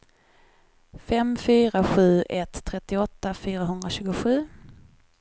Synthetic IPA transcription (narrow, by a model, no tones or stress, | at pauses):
fɛmfyːɾaɧʉ̟ːʔɛt̪ʰːɾɛt̪ːɪɔt̪ːafyːɾaɦɵnd̪ɾaɕʉ̟ːɡʊɧʉ̟ː